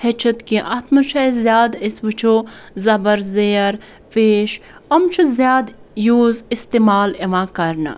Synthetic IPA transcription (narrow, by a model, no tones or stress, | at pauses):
het͡ʃʰɐt̪kĩʔɐt̪ʰmɐʃaːizjaːd̪ɪsʋɨt͡ʃʰoːzɐbəɾzeːɐɾ | feːʃɐmt͡ʃʰuzjaːd̪juːzɪst̪eːmaːleʋãːkɐɾna̰